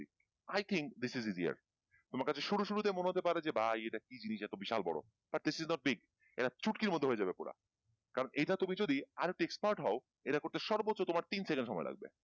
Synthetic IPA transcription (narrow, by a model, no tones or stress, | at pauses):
ajt̪ʰiŋk̚d̪isizizia̰ɾ | t̪omaɾkat͡ɕʰeʃuɾuʃuɾut̪emoneɦot̪epaɾed͡ʑebajeʈakid͡ʑiniʃɛt̪obiʃa̰lbɔ̰ɽo̰ | b̥aʈ̚d̪isiznɔʈ̚biɡ | ḛʈat͡ɕʰuʈkiɾmod̪ʱːeɦoed͡ʑabepoɽa̰ | kaɾoneʈat̪umid͡ʑod̪iaɾek̚ʈiekspaɾʈɦɔo | eʈakoɾt̪eʃɔɾbotːʃot̪omaɾt̪insekenɖʃɔmɔela̰ɡ̚bḛ